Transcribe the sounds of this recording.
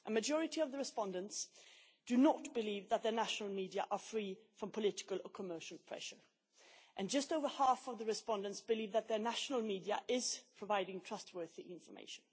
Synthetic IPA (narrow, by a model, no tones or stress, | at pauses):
ʔəmɨd͡ʒɔɹɨɾiʌvðəɹɨspɑ̃ndə̃nts | d̥ɨnət̚b̥ɨlivðət̪̚ðə˞næʃnl̩ˠmidiəʔə˞fɹifɹʌ̃mpʰəlɪɾɪ̥kəlˠəkʰəmɜ˞ʃl̩ˠpʰɹ̥ɛ̰ʃə˞ | ʔɨ̃nd͡ʒʌstoʊvə˞hæfʌvðəɹɨspɑ̃ndə̃ntsb̥ɨlivðət̪̚ðə˞næʃnl̩ˠmidiəʔɪz̥pʰɹ̥əvaɪɾɪ̃ŋtʰɹ̥ʌst̚wɜ˞θiʔɪ̃ɱfə˞mḛɪʃn̩